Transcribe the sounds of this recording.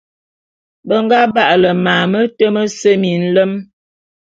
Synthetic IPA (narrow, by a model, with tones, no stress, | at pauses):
bə˦ŋ˦ɡa˦ba˦ʔlə˨maː˨mə˦tə˦mə˦sə˦mi˨n̩˦lə˦m